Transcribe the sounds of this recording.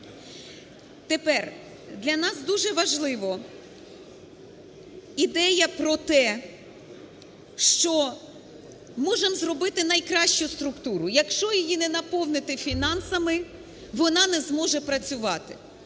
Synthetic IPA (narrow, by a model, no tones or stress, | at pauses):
t̪epɛr | d̪lʲɐnɑsd̪uʒɛʋɐʒlˠɪʋɔ | id̪ɛjɐpɾɔt̪ɛ | ʃt͡ʃɔ | mɔʒemzrɔbɪt̪ɪnɐjkɾɑʃt͡ʃʊst̪ɾʊkt̪uɾʊjɐkʃt͡ʃɔjɔjinɛnɐpɔwnɪt̪ɪfʲinɑnsɐmɪ | ʋɔnɑnɛzmɔʒɛpɾɐt͡sʲʊʋɑt̪ɪ̰